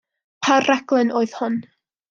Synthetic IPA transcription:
pʰarɛɡ̥lˠɛnʔoːɨðhʊn

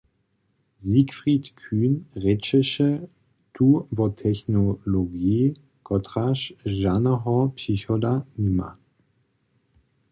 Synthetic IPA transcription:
zikfʁitkʰyːnʁɛt͡ʃəʃə | tʰuːvɔtʰɛçnoloɡiː | kʰɔtʁaʃʒanɐɦɔpsiçɔdanima̰

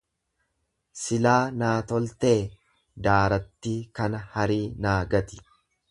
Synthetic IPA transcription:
sɪlaːnaːt̪ɔlt̪eː | d̪aːɾɐt̪ːiːkɐnɐhɐɾiːnaːɡɐt̪ɪ̥

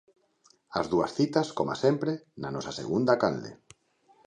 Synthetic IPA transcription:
azðuɐ̰sθit̪askoma̰sempɾenanɔsasḛɣund̪akald̪ḛ

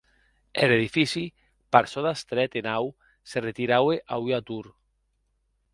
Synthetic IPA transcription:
eleðifisi | paɾsoðast̪ɾɛt̪enaw | seret̪iɾaweʔayat̪uɾ

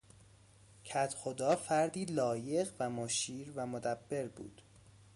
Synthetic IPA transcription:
cʰæt̪ʰxod̪ɒːfæɾd̪iːlɒːjeɣvæmɒːʃiːɾvæmod̪æbːe̞ɾbṵːd̪̥

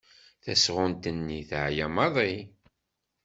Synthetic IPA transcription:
θæsʁʊnt̪ənːiθʕjæmɑðˤi

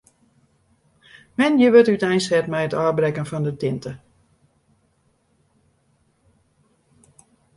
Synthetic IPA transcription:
mɛnjəʋətytɛjnsɛtmɛjətɔːbrɛkənfɔndətɪntə

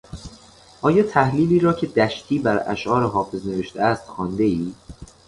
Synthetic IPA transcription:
ʔɒːjɒːt̪ʰæhliːliːɾɒːcʰe̞d̪æʃt̪ʰiːbæɾæ̰ʃʔɒːɾeɦɒːfe̞zne̞veʃt̪eæst̪xɒːnd̪e̞iː

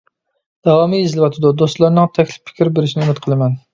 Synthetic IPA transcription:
d̪̥ɑwɑmijːzlɪwɑt̪ʰɪd̪ud̪ost̪lˠɑɾnɨŋt̪ʰɛkʲlɪ̥ppʰːɪ̥kʲʰɾbeɾɪʃinɪumɪt̪qʰəlˠɨmɛn

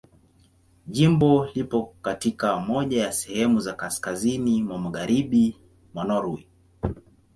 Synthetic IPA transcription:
ʄimbɔlipɔkatikamɔʄajasɛhɛmuzakaskazinimwamaɠaɾiɓi | manɔɾui

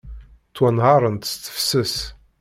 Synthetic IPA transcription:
t̪ːwænʁɑɾˤənt̪st͡s̪ːə̥fsəs

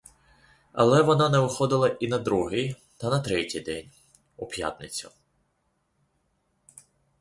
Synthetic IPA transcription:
ɐ̰lˠɛʋɔnɑnɛʋɪxɔd̪ɪlˠɐʔinɐd̪ɾuɦɪj | t̪ɐnɐt̪ɾɛtʲijd̪ɛnʲ | ɔpja̰t̪nɪt͡sʲɐ̰

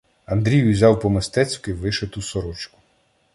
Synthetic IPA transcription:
ɐnd̪ɾʲijizʲɑwpɔmɪst̪ɛt͡sʲkʊiʋɪʃet̪usɔɾɔt͡ʃkʊ̥

